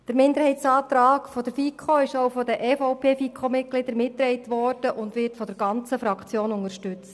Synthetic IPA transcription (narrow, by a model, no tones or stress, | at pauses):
d̥əɾmɪnd̪əɾhɛtt͡sɑːt̪ɾɑːɡkfɔd̥əɾfikʰχoɪʃowfɔdəʔɛfoʊpʰeːfikʰomɪt̚ɡ̥lɪd̥̪əɾmɪtːɾɛjtʋɔrd̥əʔʊndʋɪtfɔd̥əɾɡɑnt͡səfɾɑkχt͡sjoːnʊŋəɾʃtʉt͡st